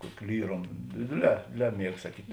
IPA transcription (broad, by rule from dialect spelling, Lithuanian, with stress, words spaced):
ˈkuɔkʲɪ ˈlʲiːroːm ˈdʲeːdʲeːˌlʲɛː ˈdʲeːdʲeːˌlʲɛː ˈmʲiɛk sɐˈkʲiːtʲ